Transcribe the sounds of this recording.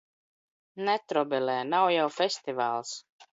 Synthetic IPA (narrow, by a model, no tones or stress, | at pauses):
nɛt̪ɾɔbɛlɛːnawjawfʲɛsʲt̪ivaːlˠs